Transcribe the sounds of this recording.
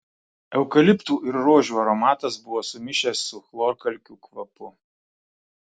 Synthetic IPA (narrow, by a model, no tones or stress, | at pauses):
ɛʊkɐlʲɪpt̪uːʔɪɾɾoːʒʲuːɐɾɔmɑːt̪ɐsbʊʋoːsʊmʲɪʃʲesːʊxlˠoːɾkɐlʲkʲuːkʋɐpʊ